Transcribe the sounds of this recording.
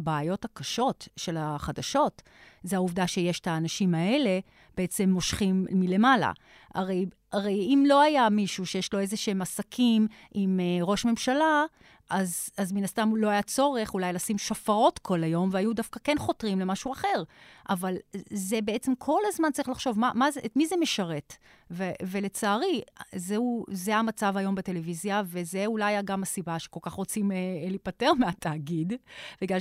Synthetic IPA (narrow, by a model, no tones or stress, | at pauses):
baːjo̞thakaʃo̞tʃe̞laχadaʃo̞t | zeauvdaʃe̞je̞ʃe̥taːnaʃimae̞le̞ | b̥eet͡se̞mːo̞ʃχimːile̞mala̰ | ʔa̰ʁe̞j | aʁejimlo̞ajamiʃuʃejeʃlo̞ezeʃeemasakʰim | imeʁo̞ʃme̞mʃala | ʔazazminast̪amlo̞ajat͡so̞ʁe̞χulajlasimʃafaʁo̞tkʰo̞lajo̞mveajudafkakenχo̞tʁimle̞maʃuaχe̞ʁʔavalzebe̞et͡semkʰo̞lazmantt͡saʁiχlaχʃo̞vmamazetmizemeʃaʁe̞t | veve̞le̞t͡saːʁizeuzeamat͡savajo̞mbete̞le̞vizjave̞zeulajaɡamasibaʃeko̞lkaχʁo̞t͡simelipate̞ʁmeatʰaːɡidb̥eɡal